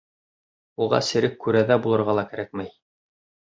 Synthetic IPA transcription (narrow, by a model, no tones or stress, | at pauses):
uʁɑ̰sɘ̆ɾɘkːʉɾæðæbulˠɤ̆ɾʁɑlˠɑkæɾæk̚mæj